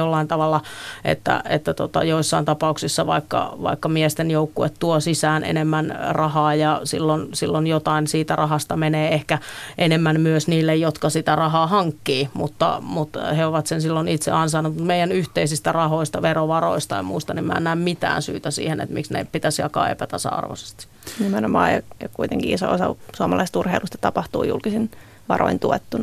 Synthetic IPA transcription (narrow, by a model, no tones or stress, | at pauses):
jolːɑint̪ɑʋɑlːɑʔḛt̪ːæ̰ḛt̪ːæt̪o̰t̪ɑ̰joisːɑint̪ɑpɑuksisːɑʋɑ̰ikːɑ̰ʋɑ̰ikːɑmiɛst̪enjoukːuet̪t̪uosisæːnʔḛnemːænrɑhɑːjɑsḭlːonsilːonjot̪ɑinsiːt̪ærɑhɑst̪ɑmeneːehkæʔenemːænmyøsniːlːejjot̪kɑsit̪ærɑhɑːhɑŋkːiːmut̪ːɑ̰mut̪heoʋɑt̪sensilːonit̪sḛɑnsɑnːut̪mut̪meijˑænyht̪eisist̪ærɑhoist̪ɑʋeroʋɑro̰ist̪ɑemmuist̪ɑnemmæ̰ːnːæːmmit̪æ̰ːnsy̰ːt̪æsḭːhenḛt̪mḭksnḛppit̪æsjɑ̰kɑ̰ːḛpæt̪ɑsɑ̰ɑ̰rʋo̰se̥st̪i̥ | nimænomɑ̰ːjɑ̰jɑkuit̪eŋkiiso̰osɑ̰suɑmɑlɑist̪urheilʔust̪ɑ̥t̪ɑpɑht̪ṵːjṵlkisin | ʋɑ̰ro̰int̪uet̪ːunɑ